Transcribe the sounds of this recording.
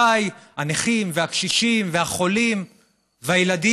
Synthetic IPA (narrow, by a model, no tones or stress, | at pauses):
ajaneχimveakʃiʃimveaχo̞lim | veajeladi